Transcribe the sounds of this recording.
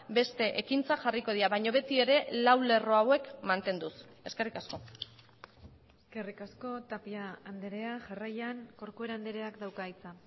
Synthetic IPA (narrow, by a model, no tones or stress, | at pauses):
be̞st̪e̞ʔekint͡saʝariko̞ð̞iɾaβajɲo̞β̞e̞t̪ie̞ɾe̞lawle̞ro̞awe̞kmant̪e̞nd̪us | e̞ske̞rikasko̞ | eske̞rikasko̞t̪apiaːnd̪eɾe̞aʝarajaŋko̞ɾkue̞ɾaand̪eɾe̞akd̪awkajt͡sa